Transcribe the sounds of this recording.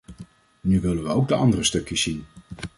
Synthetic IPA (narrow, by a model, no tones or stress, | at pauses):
nyʋɪlənʋəowɡ̚dəɑ̰ndərəstɵkjəsin